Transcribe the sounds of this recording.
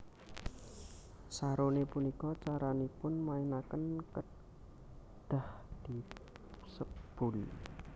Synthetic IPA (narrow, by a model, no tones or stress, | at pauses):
saɾonepunikɔt͡ʃaɾanipʊnmainakənkə | d̪̥a̤hd̪̥i̤ | səb̥ul̰